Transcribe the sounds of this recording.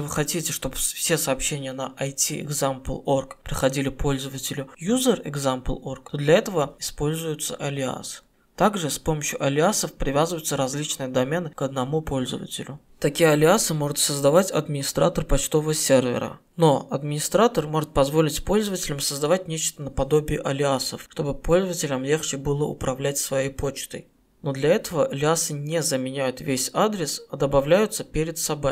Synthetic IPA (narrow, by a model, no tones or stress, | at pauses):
vɨxɐtʲitʲɪʂt̪o̞bfsʲe̞sɐːpɕːenʲɪjənəʔɐjtʲiɪ̰ɡzamplˠo̞rkpɾʲɪxɐdʲilʲɪpʰo̞lʲzəvətʲɪlʲʊjuzʲərɪ̰ɡzamplˠo̞rkt̪o̞d̪lʲɐɛt̪əvəɪspo̞lʲzʊjʊt̪sə̰ʔɐlʲɪa̰sɨ̥ | t̪aɡʐɨspo̞məɕjʊʔɐlʲɪasəfpɾʲɪvʲazɨvəjʊt̪səɾɐzʲlʲit͡ɕnɨjəd̪ɐmʲenɨkəd̪nɐmupʰo̞lʲzə̰və̰tʲɪ̰lʲʊ | t̪ɐkʲijəɐlʲɪasɨmo̞ʐʊt̪səzd̪ɐvatʲɐ̰d̪mʲɪnʲɪst̪ɾa̰t̪ərpɐt͡ɕt̪o̞vəsʲervʲɪ̰ɾə̰ | no̞ɐd̪mʲɪnʲɪst̪ɾat̪ərmo̞ʐɨt̪̚pɐzvo̞lʲɪtʲpo̞lʲzəvətʲɪlʲəmsəzd̪ɐvat̚ʲnʲet͡ɕt̪ənəpɐd̪o̞bʲɪːʔɐlʲɪasəfʂt̪o̞bɨpʰo̞lʲzəvətʲɪlʲəmlʲe̞xt͡ɕɪbɨlˠəʔʊ̰pɾɐvlʲætʲsvɐjejpo̞t͡ɕt̪ɨ̰j | no̞d̪lʲɐɛt̪əvəʔɐlʲɪasɨnʲezəmʲɪnʲæjʊt̪vʲesʲad̪ɾʲɪsɐd̪əbɐvlʲæjʊt̪səpʲeɾʲɪt̪sɐbo̞j